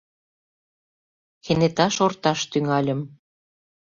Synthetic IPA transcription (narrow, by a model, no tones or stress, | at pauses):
xenet̪ɑʃort̪ɑʃt̪yŋɑlʲə̆m